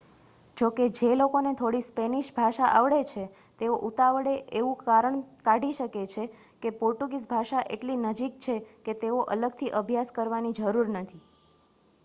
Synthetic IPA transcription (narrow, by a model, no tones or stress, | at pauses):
d͡ʒoked͡ʒelokonet̪ʰoɽispeniʃbʱaʃaʔaʋɭet͡ʃʰe | t̪eoʔut̪aʋɽeʔeʋũkaɾəɳkaɖʱiʃəket͡ʃʰe | kepoɾʈuɡis̬bʱaʃaʔḛʈlinəd͡ʒikt͡ʃʰeket̪eoʔələɡt̪ʰiʔəbʱjaskəɾʋanid͡ʒəɾuɾnət̪ʰi